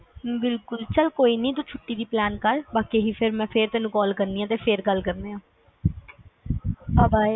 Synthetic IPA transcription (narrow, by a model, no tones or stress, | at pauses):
bɪlkʊlt͡ʃəlkoːiːnĩːt̪uːt͡ʃʰʊʈːiːd̪iːplɛːnkəɾbaːkeɦiːpʰɪɾmɛ̃ːpʰeɾt̪ɛːnũːkɔːlkəɾnd̪iːjãːt̪eːpʰɪɾɡəlkəɾneːãː | pabaːi